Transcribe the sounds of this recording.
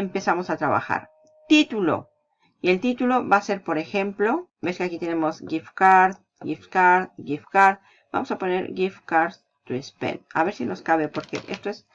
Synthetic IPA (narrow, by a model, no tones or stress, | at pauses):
empesamo̞sat̪ɾaβa̰xa̰ɾ | t̪it̪ulo̞̰ | ie̞lt̪it̪ulo̞βase̞ɾpo̞ɾe̞xe̞mplo̞beskeakit̪e̞ne̞mo̞zɡifkaɾð | ɡifkaɾðɡifkaɾð | ba̰mosapo̞ne̞̰ɾɡifkaɾ | t̪ɾispḛna̰βeɾsino̞skaβe̞po̞ɾkḛʔḛst̪oes